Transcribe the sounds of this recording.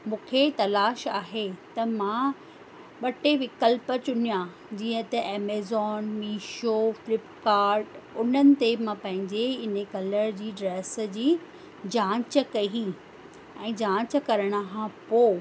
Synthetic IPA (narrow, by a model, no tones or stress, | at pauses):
mũːkʰet̪ɐlaːʃaːɦet̪ɐmã | ɓɐʈeʋɪkəlpət͡ɕʊnijã | d͡ʑiːə̃t̪ɐʔeːmeːzɔːnmiːʃoflɪpkaːɾʈʊn̤ənɪ̆t̪emãpɐ̃ɦɪ̃ɲd͡ʑeɪn̤əkɐləɾd͡ʑiːɖɾeːsd͡ʑiː | d͡ʑãːt͡ɕəkɐi | ɛ̃ːd͡ʑãːt͡ɕə̆kɐɾəɽ̃əɦãpoː